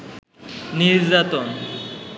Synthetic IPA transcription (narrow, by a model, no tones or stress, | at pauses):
niɾd͡ʑat̪ɔn